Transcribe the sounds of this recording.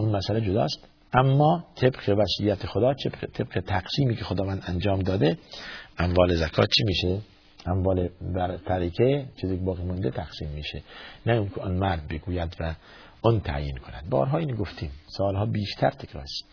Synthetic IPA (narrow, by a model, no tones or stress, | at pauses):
ʔunmæsæled͡ʒod̪ɒ̰ːst̪ | ʔæmːɒːt̪ʰebqevæsijːæt̪ʰexod̪ɒːt͡ʃet̪ʰeb̥̚qet̪ʰæqsiːmiːkʰexod̪ɒːvænd̪ænd͡ʒɒːmd̪ɒːd̪eʔæmvɒːlezækʰɒ̰ːt̪t͡ʃʰimiːʃe | ʔæmvɒːlebæɾt̪ʰæɾikʰet͡ʃʰiːziːkebɒːɣiːmɔnd̪et̪ʰæqsiːmːiːʃenæuŋkʲʰeʔɔnmæɾd̪̚beɡuːjæd̪væ | ɔnt̪ʰæ̰ʔjiːnkʰonæ̰d̪̚bɒ̰ːɾɦɒːiːnɡoft̪ʰiːmsɒːlɦɒːbiːʃt̪ʰæɾt̪ʰekʰɾɒ̰ːɾs